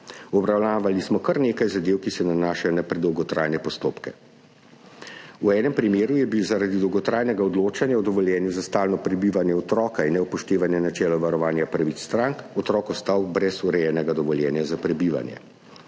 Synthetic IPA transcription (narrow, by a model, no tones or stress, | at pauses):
ɔbɾawnaːʋalismɔkɐɾneːkajzad̪eːwkisɛnanaːʃajɔnapɾɛd̪ɔwɡɔt̪ɾaːjnɛpɔst̪oːpkɛ | uɛːnɛmpɾimeːɾujɛbiwzaɾad̪id̪ɔwɡɔt̪ɾaːjnɛɡaɔd̪loːt͡ʃanjaɔd̪ɔʋɔljɛːnjuzast̪aːlnɔpɾɛbiʋanjɛɔt̪ɾɔːkainːɛupɔʃt̪eːʋanjɛnat͡ʃɛːlɔʋaɾɔʋaːnjapɾaʋiːt̪st̪ɾaŋkɔt̪ɾɔːkɔst̪awbɾɛsuɾɛjɛnɛɡad̪ɔʋɔljɛːnjazapɾɛbiːʋa̰njɛ̰